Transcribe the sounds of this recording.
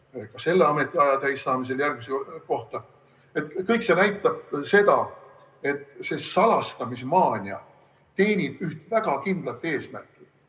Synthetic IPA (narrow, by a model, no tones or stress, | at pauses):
kɑse̞lːeɑme̞t̪ːˑiɑjɑt̪æjsːɑːmis̬e̞ljærɡ̚miseko̞ht̪ɑ | e̞t̪ːkɤjkse̞næjt̪ːˑɑb̥̚se̞d̪ɑ | e̞t̪ːse̞sɑlɑst̪ɑmis̬emɑːnʲiɑ̰ | t̪e̞ːnʲib̥yht̪væɡ̥ɑkind̪̥lɑt̪ːˑe̞ːsmærkːˑi̥